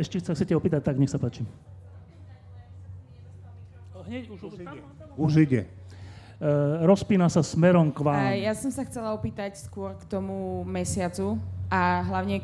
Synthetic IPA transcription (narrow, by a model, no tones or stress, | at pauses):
ɛʃcɛxsaxt͡ssɛcɛɔpiːt̪ac̚t̪aɡɲɛxsapaːt͡ʃi | ɲɛ | uʒiɟɛ̰ | ɾɔspiːnasasmɛɾɔmkʋaːmjasɔmsaxt͡sɛlaɔpiːt̪acskʊɔɾkt̪ɔmumɛsɪat͡suaɦlaʊɲɛ